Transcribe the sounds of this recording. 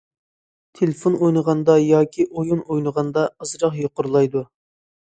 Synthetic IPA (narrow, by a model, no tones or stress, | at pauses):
t̪ʰelɪfonojnəʁɑnd̪ɑjɑːkʲʰiʔojunojnəʁɑnd̪ɑɑzɾɑqjoqʊɾlˠɑjd̪u